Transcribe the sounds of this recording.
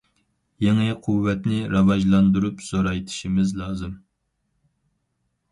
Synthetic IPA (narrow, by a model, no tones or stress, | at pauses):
jeŋɪqʰuwːɛt̪nɪɾɑvɑʒlˠɑnd̪uɾupsoɾɑjt̪ʰi̥ʃimɪzlˠɑːzɨm